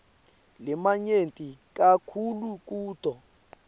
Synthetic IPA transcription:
lɛmaɲentʼik̬ʼakʰuluk̬ʼuːtɔ

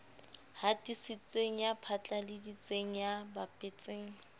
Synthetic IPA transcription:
hatisɪt͡sʼeŋ̩japʰat͡ɬʼalɪdit͡sʼeŋ̩jabapʼet͡sʼeːŋ̩

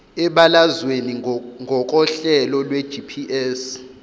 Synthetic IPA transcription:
ɛɓalazweniŋɡʱɔk̬ʼɔɬɛlɔlwɛd̥ʒ̥ʱipʰiʔɛːs

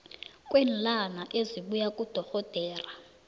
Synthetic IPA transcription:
kʼwɛːnlanaʔeziɓujakʼud̥ʱɔxɔd̥ʱɛːra

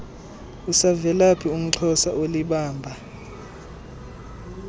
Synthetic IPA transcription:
usavɛlapʰium̩ǁʰɔsaʔoliɓaːmbʱa

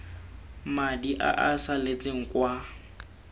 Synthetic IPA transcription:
madiʔa̰ʔasalet͡sʼɪŋ̩kwa

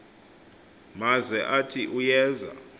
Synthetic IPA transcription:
mazɛʔatʰiʔujɛːza̰

